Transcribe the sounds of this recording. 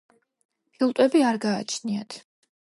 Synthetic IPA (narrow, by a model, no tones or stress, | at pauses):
pʰilˠt̪ʼwɛbiaɾɡa̰ːt͡ʃʰniat̪ʰ